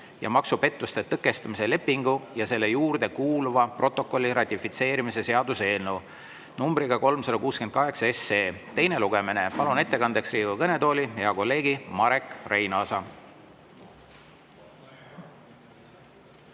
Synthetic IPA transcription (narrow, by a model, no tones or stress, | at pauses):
jɑ̰mɑksupe̞t̪ˑːust̪e̞t̪ɤkːˑe̞st̪ɑmise̞le̞pːiŋɡujɑse̞lːe̞juːrd̪e̞kuːluvɑpro̞t̪ːˑo̞kːˑo̞lʲːiɾɑt̪ʲːifit̪se̞ːɾimise̞se̞ɑd̪̥use̞ːlnuw | numbɾiɡ̥ɑko̞lmsɑd̪ɑkuːsken̚kɑɦe̞ksɑesːeːt̪e̞jne̞luɡ̥e̞mine̞pɑlune̞t̪ːe̞kɑnd̪e̞ksriːvukɤne̞t̪o̞ːlʲiheɑko̞lːe̞ːɡimɑɾe̞kːˑre̞jnɑːsɑ